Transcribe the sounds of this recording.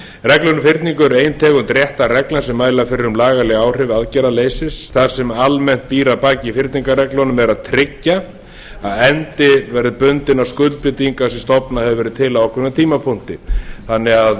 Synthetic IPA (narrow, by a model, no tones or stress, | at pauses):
rɛklɔnʏmfɪɾt̪niŋkʏɛɾeːjnt̪ʰɛːɣʏmt̪ɾjɛht̪arɛklasɛmːaːjlafɪɾɪɾʏmlaːɣalɪɣaːwr̥ɪvaðcɛɾaleːjsɪsθaɾ̥sɛmalmɛn̥t̪̚piːɾapaːcɪifɪrt̪niŋkarɛklɔnʏmɛɾaðt̪ʰɾɪcːa | aðɛnt̪ɪvɛɾðɪpʏnt̪ɪnawskʏlpɪt̪iŋkasɛmst̪ɔpnahɛvʏvɛːɾɪt̪ʰɪlaɔhkʰvɛmɛt̪ʰiːmapʰʊn̥t̪ɪθanːɪɣað